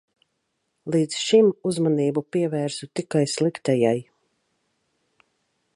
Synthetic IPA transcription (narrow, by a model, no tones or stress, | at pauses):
lˠiːd̪zʃimuzmaniːbupiɛvæːɾsut̪ikajslˠikt̪ɛjaj